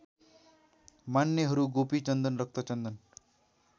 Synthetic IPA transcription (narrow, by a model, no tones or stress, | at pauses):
manːjʌɦʌɾuɡopit͡ɕʌnd̪ənɾʌk̚t̪ʰʌt͡ʃʌnd̪ʌn